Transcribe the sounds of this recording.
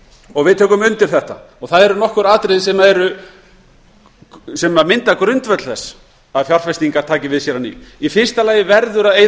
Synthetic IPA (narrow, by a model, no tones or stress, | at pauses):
ɔɣvɪðt̪ʰøːkʏmʏnt̪ɪɾ̥θɛht̪a̰ɔɣθaðɛɾʏnɔhkʏɾaːt̪ɾɪðsɛmaðɛɾʏ | sɛmaðmɪnt̪akɾʏnt̪vɛt̪l̥θɛs | aðfjar̥fɛst̪iŋkaɾ̥t̪ʰaːcɪvɪðsjɛɾanḭifɪr̥st̪alaːjɪvɛɾðʏɾaðeːj